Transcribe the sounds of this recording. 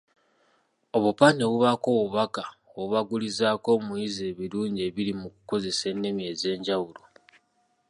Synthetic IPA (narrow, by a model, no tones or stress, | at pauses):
o̞βupane̞βuβako̞wuβaka | oβuβaɡulizaːko̞ːmujize̞ːβiɾuːɲɟe̞ːβilimuku̥ko̞ze̞se̞nːemje̞ze̞ːɲɟawulo̞